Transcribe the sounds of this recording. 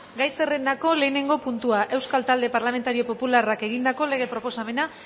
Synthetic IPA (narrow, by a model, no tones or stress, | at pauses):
ɡajse̞re̞nd̪ako̞le̞ːne̞ŋɡo̞punt̪uaʔe̞wskalt̪ald̪e̞paɾlame̞nt̪aɾio̞po̞pularake̞ɣ̞ind̪ako̞le̞ɣ̞e̞pɾo̞po̞same̞na